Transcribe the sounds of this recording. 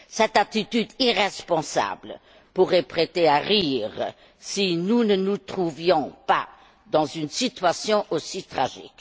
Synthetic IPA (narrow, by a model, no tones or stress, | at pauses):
sɛt̪at̪it̪yd̪iʁɛspɔ̃sa̰blə | puʁɛpχet̪eaʁiːʁ | sinunənut̪χuvjɔ̃pa̰ | d̪ɑ̃zynsit̪ɥasjɔ̃ʔosit̪χa̰ʒḭk